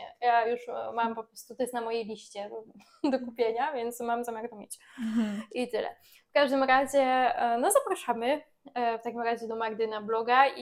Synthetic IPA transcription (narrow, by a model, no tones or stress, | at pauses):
ɛ̰jajuʂmampɔpɾɔst̪ut̪ɔjɛst̪namɔjejlʲiɕt͡ɕɛ | d̪ɔkupʲjeɲavʲjɛnt̪smamzamʲjaɾt̪ɔmʲḛt͡ɕ | ʔit̪ɘlɛ̰ | fkaʐd̪ɘmɾaʑɛnɔzapɾaʂamɘ | ft̪akʲimɾaʑɛd̪ɔmaɡd̪ɘnablɔɡai